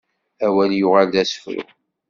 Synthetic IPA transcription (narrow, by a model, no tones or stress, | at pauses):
æwæljʊʁald̪æsfɾṵ